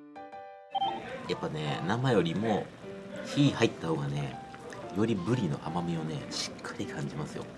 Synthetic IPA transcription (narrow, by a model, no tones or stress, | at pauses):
japːane̞namajo̞ɾʲimo̞çihait̪ːahoːɡane̞̰jo̞ɾʲibɯ̟ɾʲino̞̰ʔamamʲio̞ne̞̰ɕi̥kʰːaɾʲikʰãɲ̟d͡ʑimasɨjo̞̰